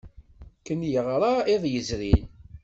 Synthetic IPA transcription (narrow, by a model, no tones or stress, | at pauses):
kənjəʁɾˤɑeðˤjəzɾin